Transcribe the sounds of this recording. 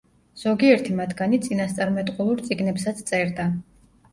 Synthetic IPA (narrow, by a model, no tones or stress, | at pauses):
z̥ɔɡiɛɾt̪ʰimat̪ʰɡanit̪sʼinast̪sʼaɾmɛt̪ʼqʼulˠuɾt̪sʼiɡnɛpsat̪sʰt̪sʼɛɾd̪a